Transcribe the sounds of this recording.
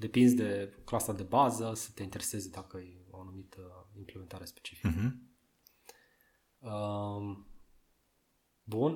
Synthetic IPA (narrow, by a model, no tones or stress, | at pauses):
d̪e̞pinzd̪e̞klasad̪e̞bazəsə̥t̪e̞int̪e̞ɾe̞se̞zd̪akəajoanumit̪impleme̞nt̪aɾe̞spet͡ʃifikə | ə | bun